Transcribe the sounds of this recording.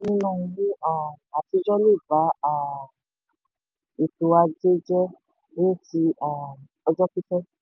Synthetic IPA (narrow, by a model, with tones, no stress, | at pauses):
nĩ˦nɔ̃˦˨˧jĩ˦ã˦˨a˨ti˨˧˦d͡ʒɔ˦le˦˨ba˨˦a˨ | e˨to˧a˧d͡ʒe˦d͡ʒɛ˦ | ne˦˨ti˧a˦˨ | ɔ˧d͡ʒɔ˦ki˦sɛ˦